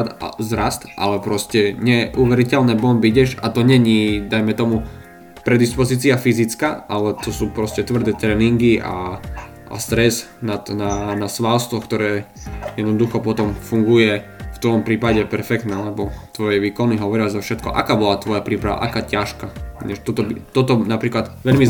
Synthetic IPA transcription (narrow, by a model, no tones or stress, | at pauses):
t̪a̰zɾast̪ʔa̰lɛpɾɔscɛɲɛʔuʋɛɾicɛlnɛːbɔmbiɟɛʃa̰t̪ɔɲɛɲiːd̪ajmɛt̪ɔmu | pɾɛd̪ispɔziːt͡siafizit͡skaʔalɛt̪ɔsuːpɾɔscɛt̪ʋr̩d̪ɛːt̪ɾɛːniŋɡiʔa̰ | ʔa̰st̪ɾɛznat̪nanasʋalst̪ʋɔkt̪ɔɾɛː | jɛd̪nɔd̪uxɔpɔt̪ɔmfuŋɡujɛft̪ʋɔmpɾiːpaɟɛpɛɾfɛkt̪naalɛbɔt̪ʋɔjɛʋiːkɔniɦɔʋɔɾɪazafʃɛt̪kɔ̰ʔa̰kaːbɔlat̪ʋɔjapɾiːpɾaʋa̰ʔakaːcaʃkaɲɛʃt̪ɔt̪ɔbit̪ɔt̪ɔnapɾiːklat̪ʋɛʎmi